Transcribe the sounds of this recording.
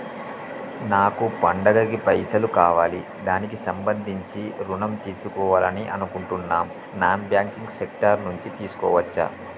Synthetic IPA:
naːkupɐɳɖɐɡɐɡipɐjsɐlukaːʋaːli | d̪aːnikisɐmbɐnd̪ʱiɲt͡ʃiɾunɐmt̪iːsukɔːʋaːlɐniʔɐnukuɳʈunːaːm | naːmbjaːŋkiŋɡsek̚ʈɐɾnuɲt͡ʃit̪iːsu̥kɔ̰ːʋɐt͡ʃːɐ̰

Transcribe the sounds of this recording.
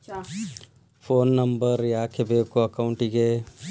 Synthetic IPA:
fʰoːnːɐmbəɾjaːkʰebeːkoɐkaʊɳʈiɡe

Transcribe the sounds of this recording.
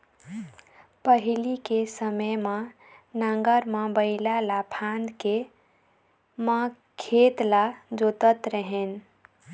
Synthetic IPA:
pəɦilikesəməjma | nəŋɡəɾməbəɪlalapʰãnd̪ke | mə | kʰet̪lad͡ʒot̪ət̪ɾəɦen

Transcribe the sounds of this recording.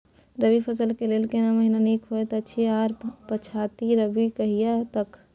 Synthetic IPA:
ɾəbipʰəs̬əlkeleːlkenaməɦinaniːkʰɦoet̪oətːʃʰiaːɾpət͡ʃʰaːt̪iɾəbikɐɦijat̪ək

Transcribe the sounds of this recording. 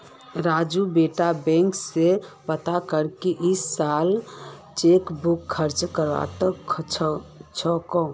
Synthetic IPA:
ɾad͡ʒubeʈabɛ̃ŋksepət̪akəɾkeʔisːal | t͡ʃekbukʰːəɾt͡ʃkəɾʋa̰t̪əkʰt͡ʃʰt͡ʃʰɔkɔ̃

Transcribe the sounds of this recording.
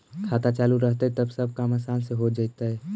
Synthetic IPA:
kʰaːt̪at͡ʃaːluɾəɦt̪eɦɛt̪əbsəb̚kamasanseɦod͡ʒaɪt̪aɦɛ

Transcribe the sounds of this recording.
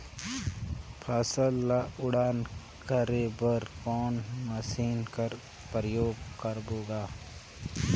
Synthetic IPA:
pʰəsəlːaʊɽaːn | kəɾebəɾkɔːnməsiːnkəɾ | pɾəjoːɡkəɾboːɡaː

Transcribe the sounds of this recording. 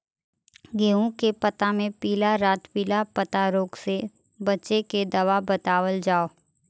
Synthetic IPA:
ɡeːũkepɐt̪amẽpiːlaɾaːt̪piːlapət̪aɾoːkse | bɐtːʃeked̪ɐʋabət̪aːwəld͡ʒaːoː

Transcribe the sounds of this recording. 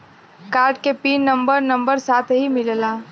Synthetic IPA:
kaːɾɖkepiːnnːə̃mbəɾnɐ̃mbəɾsaːt̪ʰɦimɪllaː

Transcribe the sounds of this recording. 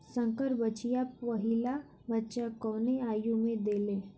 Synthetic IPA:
sə̃ŋkəɾbət͡ʃijaɐɦila | bətːʃakɔːneaːjũmẽd̪eːlẽː

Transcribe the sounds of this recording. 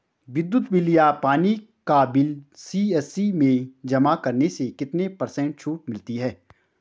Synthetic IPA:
ʋɪd̪ːʊt̪wɪlijapaːni | kabɪlsiːɛsimẽd͡ʒɐmakɐɾnesekɪt̪nepɐɾsɛ̃ɳʈ̚t͡ʃʰuːʈmɪlt̪iɦɛː

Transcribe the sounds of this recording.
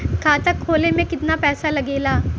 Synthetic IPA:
kʰaːt̪əkʰːoːlemẽkɪt̪napɛːsalɐɡeːlaː

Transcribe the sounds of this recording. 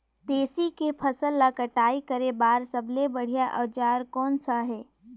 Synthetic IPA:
d̪eːsikepʰəsəlːakəʈaːikəɾebaːɾsəblebɐɽ̤ijaʔɐ̰ʋd͡ʒaːɾkɔːnsaɦɛː

